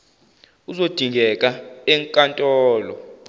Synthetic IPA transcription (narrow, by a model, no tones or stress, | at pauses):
uzod̥ʱiŋɡʱɛkʼaɛŋkʼantʼɔːlɔ